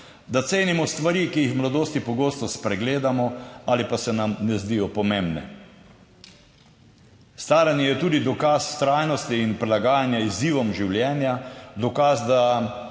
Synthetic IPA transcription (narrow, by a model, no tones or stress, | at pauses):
d̪at̪seːnimɔst̪ʋaɾikijixmlad̪oːst̪ipɔɡoːst̪ɔspɾɛɡleːd̪amɔalipasɛnamnɛzd̪ijɔpɔmembnɛ̰ | st̪aːɾanijɛt̪uːd̪id̪ɔkast̪ɾajnɔst̪iːnpɾilaɡaːjanjaiziːʋɔmʒiwljɛːnjad̪ɔkaːzd̪a